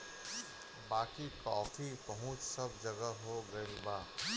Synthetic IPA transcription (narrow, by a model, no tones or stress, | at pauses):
baːkikaːfipɐɦʊ̃t͡ʃsɐbd͡ʒɐɡəɦoɡɐibaː